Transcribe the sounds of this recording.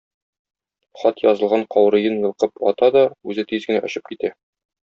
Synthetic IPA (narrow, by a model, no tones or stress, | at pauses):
χɒt̪jɒzɤ̆lˠʁɑɴqɒwɾɤ̆jɤnjɤ̆lˠqɤpɒ̰t̪ɑd̪ɒʉzɘt̪izɡɘ̆næʔɒ̆ɕɤp̚kit̪æ